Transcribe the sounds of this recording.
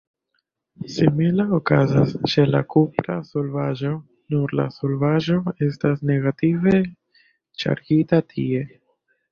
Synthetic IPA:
similaokazast͡ʃe̞la̰kupɾaso̞lvaʒo̞ | nuɾla̰so̞lvaʒo̞e̞stasne̞ɡative̞ | t͡ʃa̰ɾɡitatʰie̞

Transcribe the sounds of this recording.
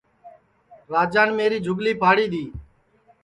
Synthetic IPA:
ɾaːd͡ʒaːnmeːɾiːd͡ʒʱʊɡliːpʰaːɽiːɗ̪iː

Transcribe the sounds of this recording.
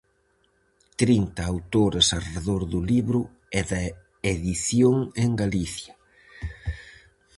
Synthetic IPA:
t̪ɾint̪ɐawt̪oɾesareðoɾðʊliβɾʊ | ɛðɐ | eðiθjoŋeŋɡaliθjɐ

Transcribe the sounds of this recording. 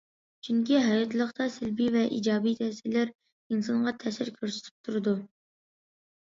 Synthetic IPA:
t͡ʃʰyŋkʲiɦɑjɑt̪ʰlˠəχt̪ʰɑsɪlbivɛʔḭd͡ʒɑːbijt̪ʰɛsɪlæɾ | insɑnʁɑt̪ʰɛsɪɾkʲʰøɾsɪ̥t̪ʰy̥p̚t̪ʰuɾɨd̪u

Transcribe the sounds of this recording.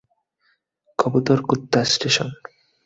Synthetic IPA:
kʰɔbut̪oɾkut̪ːasʈeʃɔn

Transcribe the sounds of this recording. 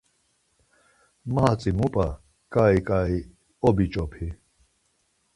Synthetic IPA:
maat͡sʼimupʼa | kʼaikʼai | obit͡ʃʼɔpʰi

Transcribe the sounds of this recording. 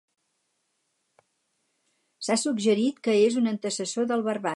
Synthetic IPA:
sasuɡʒəɾit̪kəezunənt̪əsəsoðəlˠβərβa

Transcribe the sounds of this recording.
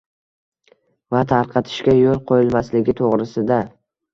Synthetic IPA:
vat̪ʰaɾqʰɑt̪ʰɪ̥ʃkʲajolˠqʰojɪlmaslɪɡʲɪt̪ʰoʁɾɪsɪd̪a

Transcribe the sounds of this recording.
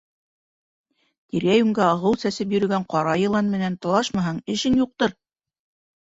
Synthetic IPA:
t̪iɾæjʉŋɡæɑʁɤwsæsɘp̬jɵ̆ɾɵ̆ɡæɴqɑɾɑjɤ̆lˠɑnmɘ̆nænt̪ɤ̆lˠɑʃmɑɦɑɴɘ̆ʃɘŋjuq̚t̪ɤɾ

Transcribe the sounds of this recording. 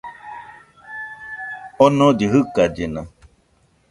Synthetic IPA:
ɔnɔ̃d̪iɦɨkad͡ʒenã

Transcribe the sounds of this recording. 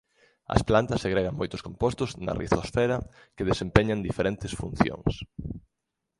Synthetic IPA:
ɐ̰splant̪ɐseɣɾeɣɐŋmojt̪ʊskompost̪ʊznɐ̰rḭθosfɛɾɐ | keðesempeɲɐnd̪ifeɾent̪ɪsfun̟θjo̰ŋs

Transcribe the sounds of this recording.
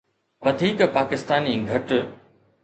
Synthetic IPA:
ʋɐd̪ʱiːkpaːkɪst̪aːniɡʱɐʈ

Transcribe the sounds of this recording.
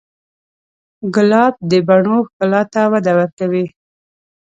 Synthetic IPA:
ɡʊlɑb̚d̪əbaɳoxkalɑt̪awad̪awəɾkawi

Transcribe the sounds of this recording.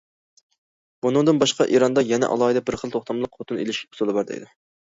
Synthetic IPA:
bunɨŋd̪ɨnbɑʃqɑʔiɾɑnd̪ɑjɛnɛ̰ʔɑ̰lˠɑːid̪ɛbɪɾχəlˠt̪ʰoχt̪ʰɑmlˠəqχot̪ʰɨnḛlɪʃkʲɛʊ̥sɨlˠɨbɑɾd̪ɨ̰ḭd̪ɪ

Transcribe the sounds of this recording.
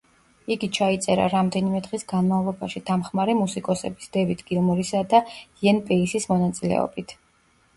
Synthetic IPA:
iɡit͡ʃʰait̪sʼɛɾa̰ɾamd̪ɛnimɛd̪ʁisɡanmavlˠɔba̰ʃid̪̥amχmaɾɛmusikʼɔsɛ̰bisd̪̥ɛvit̪ʰɡ̥ilˠmuɾisad̪aɛnpʼɛisismɔnat̪sʼilɛ̰ɔ̰bit̪ʰ

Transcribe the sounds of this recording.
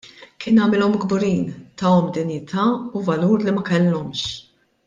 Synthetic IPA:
kɪːnɐmɪlɔmɡbʊɾiːnt̪ɐɔmd̪ɪnjɪt̪ʰɐːuvɐluːɾlimɐkɛlːɔmʃ

